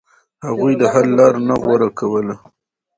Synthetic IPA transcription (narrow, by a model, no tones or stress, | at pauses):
haɣujd̪əɦalːɑɾnaɣwaɾakʰawəla